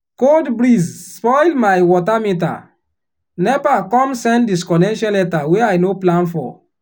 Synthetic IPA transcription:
koldbɾizspɔɪlmaɪwɔtamĩt̬a̰ | nɛvakɔ̃msɛ̃ndiskɔnɛʃɔ̃nlɛtaweaɪnoplãnfɔ̰

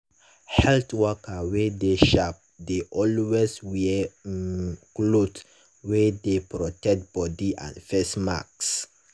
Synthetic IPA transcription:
hɛltwɔkawedeʃap̚deʔɔlweswɛ | klot | wedepɹɔtɛk̚t̚b̥ɔdiʔã̰nfesma̰ks

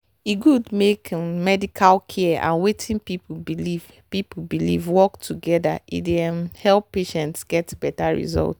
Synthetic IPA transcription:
iɡudmekmɛdikʰalkʰɛã̰nwetʰĩnpipubiliv | pipubilḭvwɔktʰuɡɛdaʔḭdehɛlˠpːeʃɛ̃ntsɡɛtbɛtaɹḭzɔ̰lt

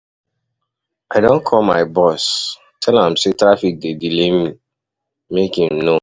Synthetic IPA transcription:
aɪdõnkʰɔlma̰ɪbɔs | tʰɛlãmsetɾafik̚dedilemi | mekĩmno

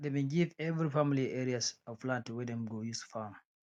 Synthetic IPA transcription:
demẽɡivɛvɾifamiliɛɾiasɔfplãntwɛdɛ̃mɡojustu̥fam

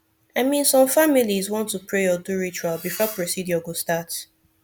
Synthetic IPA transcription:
aɪmĩnsɔ̃mfamilizwɔ̃ntːupɹeɔduɹit͡ʃualbifɔpɹosidjɔɡostat

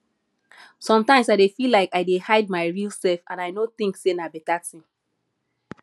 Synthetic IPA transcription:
sɔ̃mtãɪ̃msaɪdefilaɪkaɪdehaɪd̚maɪɹilˠsɛlfã̰naɪnoθĩŋksenabɛtatĩm

